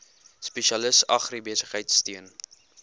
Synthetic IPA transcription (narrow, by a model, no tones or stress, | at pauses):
speʃiɐləsɐχribiəsəχɦəjtstiən